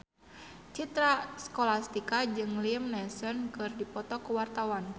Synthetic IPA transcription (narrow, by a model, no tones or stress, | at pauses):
t͡ʃit̪ɾasə̥kɔlast̪ikad͡ʒɨŋlimnɛsɔnkɨrdipɔt̪ɔkuwart̪awan